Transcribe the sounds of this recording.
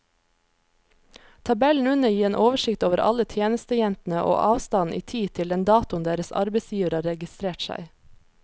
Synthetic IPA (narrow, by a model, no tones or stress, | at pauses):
t̪ʰɑbɛln̩ʉnəjiːeːnʔoːʋəʃɪkt̪oːʋəɾʔɑ̰lət̪ʰjeːnəst̪əjɛnt̪n̩əʔo̰ːʔɑːʋst̪ɑn̩ʔḭːt̪ʰiːt̪ʰɪld̪ɛnd̪ɑːt̪ʊnd̪eːɾəsɑ̰ɾbɛɪsjiːʋəɾɑɾɛɡɪst̪ɾeːʈsæ̰ɪ